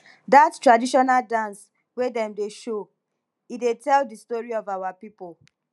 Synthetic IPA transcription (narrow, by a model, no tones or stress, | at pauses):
dattɹadiʃɔnaldãns | wedɛ̃mdeʃo | idetɛldistɔɹiɔvawapipol